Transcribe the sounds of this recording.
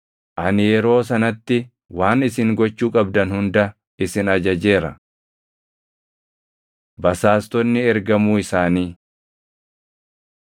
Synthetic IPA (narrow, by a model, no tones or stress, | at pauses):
ʔɐnɪjɛɾo̞ːs̬ɐnɐt̪ːɪ | waːnɪsɪŋɡɔt͡ʃːuːkʼɐbd̪ɐnhʊnd̪ɐ | ɪsɪnɐd͡ʒɐd͡ʒe̞ːɾɐ̰ | bɐsaːst̪ɔnːɪɛɾɡɐmuːɪsaːniː